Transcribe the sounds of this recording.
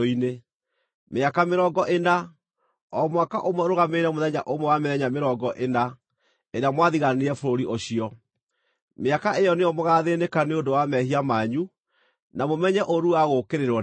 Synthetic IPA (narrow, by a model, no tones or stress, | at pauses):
ine | meakameɾɔɡɔʔena | ɔmwakaʔomwɛɾoɣameɾɛmoðɛɲa̰ʔomwɛwameðɛɲameɾɔɡɔʔena | eɾeamwaðiɣaneɛfoɾoɾiʔoɕiɔ | meakaejɔneɔmoɣaːðenekaneodowamɛhiamaɲu | namomɛɲɛʔoɾuaɣokeɾeɾwɔ